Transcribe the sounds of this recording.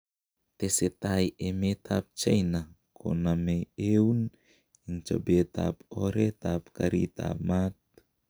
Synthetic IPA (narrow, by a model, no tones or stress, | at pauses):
t̪eset̪ajemetʰap̚t͡ʃajna | kʰo̰namejewn | int͡ʃo̰beta̰poɾetapkaɾḭt̪a̰pmat̪̚